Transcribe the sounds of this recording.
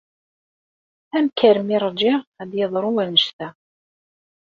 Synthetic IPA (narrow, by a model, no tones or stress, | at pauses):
θæmkːæɾmiɾˤd͡ʒɪʁæd̪jəðˤɾˤuwænəʃt̪æ